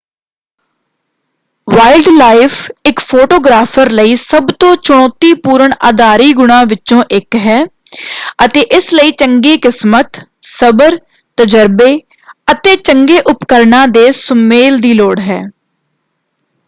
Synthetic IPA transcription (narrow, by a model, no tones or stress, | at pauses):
ʋaːɪlɖlaːɪfʰɪkpʰoːʈoːɡɾaːpʰəɾləiːsəbt̪õːt͡ʃʊɽ̃ɔːt̪iːpuːɾəɳaːd̪aːɾiːɡʊɽ̃ãːʋɪt͡ʃõːʔɪkɦɛː | ət̪eːʔɪsləiːt͡ʃəŋɡeːkɪsmət̪səbəɾ | t̪əd͡ʒəɾbeː | ət̪eːt͡ʃəŋɡeːʔʊpkəɾnãːd̪eːsʊmeːld̪iːloːɽɦɛ̰ː